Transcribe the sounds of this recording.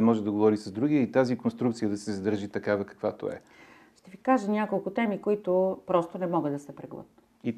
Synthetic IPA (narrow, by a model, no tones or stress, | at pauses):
mɔʒɛd̪ɐɡovɔɾisɐzd̪ɾuɡiəit̪azikonst̪ɾukt̪sijəd̪ɐsɛzɐd̪əɾʒit̪ɐkavɐkɐ̥kvat̪o̰ɛ̰ | ʃt̪ɛvikaʒənʲjakolˠkʊt̪ɛmikoit̪ʊpɾɔst̪onɛmɔɡəd̪ɐsɛpɾɛɡlˠɤ̰t̪ | i